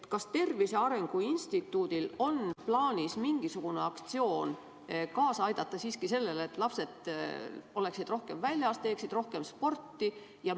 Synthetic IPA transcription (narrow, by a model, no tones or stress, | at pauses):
t̪kɑst̪e̞rvise̞ɑɾe̞ŋɡ̥uinst̪it̪ːˑuːd̪̥ilo̞nplɑːnʲismiŋɡ̥isuɡ̥une̞ɑkt̪sio̞ːn | kɑːsɑjd̪̥ɑt̪ˑːɑsiːskise̞lːe̞let̪ːˑlɑpse̞d̪̥ | o̞le̞ksid̪ro̞hke̞mvælʲjɑst̪e̞ːksid̪ro̞hke̞mspo̞rt̪ːi | jɑ